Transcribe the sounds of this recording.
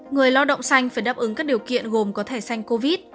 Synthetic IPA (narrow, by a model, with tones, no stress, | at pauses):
ŋɨ˨˩əjlɔ˧wɗə̰˧˨wŋ͡msa˧jŋ̟faː˧˩jɗaː˦˥p̚ʔɨ˨˦ŋkaː˦˥k̚ɗi˨˩əwkḭ˧˨ənɣo˨˩mkɔ˨˦t̪ʰe˧˩sa˧jŋ̟ko˧vi˦˥t̚